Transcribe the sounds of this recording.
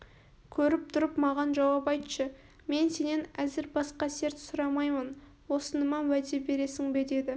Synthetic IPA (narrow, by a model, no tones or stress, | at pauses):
kʲʰɵɾɪp̚t̪ʰʊɾəpmɑʁɑnʒɑwɑpɑjt̪ʃə | me̞nse̞ne̞næzɪɾbɑsqɑse̞ɾt̪sʊɾɑmɑjmən | wo̞sənəmɑnwæd̪e̞be̞ɾe̞sɪŋbe̞d̪e̞d̪ɪ